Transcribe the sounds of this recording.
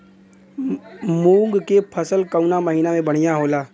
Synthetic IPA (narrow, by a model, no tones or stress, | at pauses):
mũːŋɡkepʰəsəlkəʊnaməɦiːnamẽbɐɽ̤̃ijaɦoːlaː